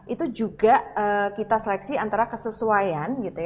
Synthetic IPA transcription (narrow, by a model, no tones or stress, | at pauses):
ʔit̪ud͡ʒuɡaəkit̪asəlɛksiant̪aɾakəsəsuajanɡit̪uja